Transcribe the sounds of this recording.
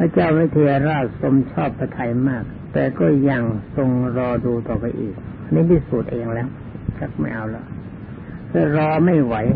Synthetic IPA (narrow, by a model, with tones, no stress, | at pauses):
pʰa˧˥˩t͡ɕaː˥˩wwi˦˥t̪ʰiː˧a˧ɾaː˥˩t̪̚so˧mt͡ɕʰɔː˥˩pʰːa˧t̪ʰa˧jmaː˥˩k̚t̪ɛː˨˩kɔː˥˩ja˧˩ŋso˧ŋɾɔː˧duː˧t̪ɔː˨˩pa˧jʔiː˨˩k̚ | na˧˥bi˦˥suː˨˩t̪̚ʔeː˧ŋlɛː˦˥˩w | t͡ɕʰa˦˥k̚ma˥˩jʔa˧wlɔ˦˥˩ | pʰɯː˥˩ɾɔː˧ma˥˩jwa˨˦˥j